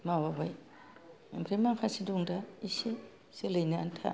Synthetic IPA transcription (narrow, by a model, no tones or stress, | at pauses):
mawabaj | bɾimaŋkʰasiduŋdaise | selɯjnaːntʰa̰